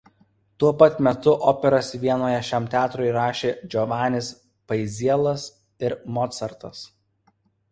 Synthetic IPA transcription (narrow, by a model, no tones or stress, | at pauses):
t̪uɔpɐt̪mʲɛt̪ʊʔɔːpʲɛɾɐsʋʲiɛnoːjɛʃʲæmt̪ʲæːt̪ɾoːɪɾɑːʃʲeːd͡ʒʲɔʋɑːnʲɪs | pɐɪzʲiɛlˠɐs | ɪɾmɔt̪sɐɾt̪ɐs